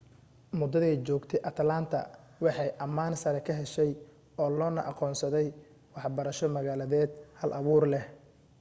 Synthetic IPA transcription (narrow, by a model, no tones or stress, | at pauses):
mʊd̪ːɐðɛjt͡ʃɔːɡt̪ʰɛʔɐt̪ʰlaːnt̪ʰɐ̰ | wɑħɑjʔɐmaːnsɐɾɛkʰɐɦɛʃɛj | ɔːlɔːnɐ̰ʔɑqɔːnsɐðɛj | wɑħbɐɾɐʃɔmɐɣaːlɐðɛːd̪hɐlʔɐβuːrlɛh